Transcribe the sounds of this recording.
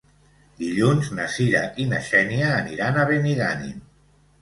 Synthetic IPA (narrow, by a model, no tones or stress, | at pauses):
d̪iʎunznasiɾaʔinaʃɛniaːniɾanaβeniɣanḭ